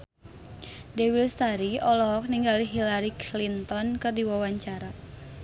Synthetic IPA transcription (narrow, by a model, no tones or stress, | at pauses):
dewilst̪aɾiɔlɔɦɔk̚niŋɡaliɦilaɾiklint̪ɔnkɨrdiwawaɲt͡ʃaɾa